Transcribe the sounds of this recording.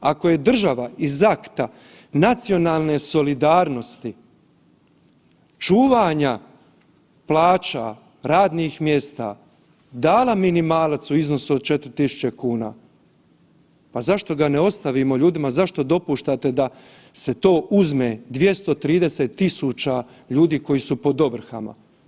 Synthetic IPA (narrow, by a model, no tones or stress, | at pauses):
ako̞je̞d̪r̩ʒaʋaizakt̪a | nat̪sijo̞naːlˠne̞so̞lid̪aːɾno̞st̪i | t͡ʃuːʋaɲa | plaːt͡ʃa̰ | ɾaːd̪niːxmje̞st̪a̰ | d̪aːlaminimaːlat̪suizno̞suod̪̚t͡ʃe̞t̪ɾit̪isu̥t͡ɕe̞kuːna̰ː | pazaʃt̪o̞ɡaneo̞st̪aʋimo̞ʎuːd̪imazaʃt̪o̞d̪o̞puʃt̪at̪e̞d̪a | se̞t̪o̞ːʔuzmeːd̪ʋje̞st̪o̞t̪ɾiːd̪e̞set̪ːisut͡ʃa | ʎuːd̪iːko̞jisupo̞d̪o̞ʋr̩xa̰ma̰